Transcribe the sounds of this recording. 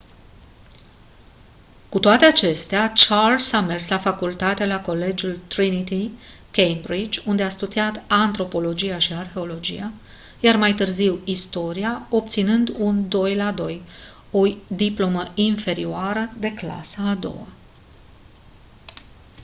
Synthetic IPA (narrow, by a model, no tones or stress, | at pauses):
kut̪oat̪e̞at͡ʃe̞st̪eat͡ʃalsame̞rslafakult̪at̪elako̞le̞d͡ʒult̪ɾinit̪ikejmbɾid͡ʒʲund̪east̪ud̪iat̪ant̪ɾo̞po̞lo̞d͡ʒijaʃiarxe̞o̞lo̞d͡ʒḭja | jarmajt̪ɨrziwist̪o̞ɾiao̞p̚t̪sinɨnd̪und̪o̞jlad̪o̞j | o̞d̪iplo̞məinfe̞ɾioaɾəd̪e̞kla̰saːd̪o̰wa